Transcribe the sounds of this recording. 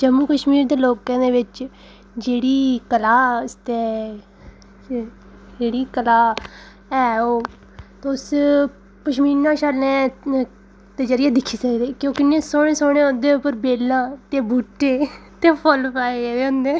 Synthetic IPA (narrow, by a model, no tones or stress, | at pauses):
d͡ʒəmːuːkəʃmiːɾd̪eːloːkə̃ːd̪eːʋɪt͡ʃ | d͡ʒeːɽiːkəlaːst̪e | d͡ʒeːɽiːkəlaː | ɛːoː | t̪ːʊs | kəʃmiːɾnãːʃəlnẽː | t̪eːd͡ʒəɾɪjaːd̪ɪkʰːiːsəkːd̪eːkjõːkɪnẽːsoːɽ̃eːsoːɽ̃eːond̪eːʊpːəɾbeːlːãːt̪eːbuːʈːeːt̪eːpʰəlpaːeeːeʊ̃nd̪eː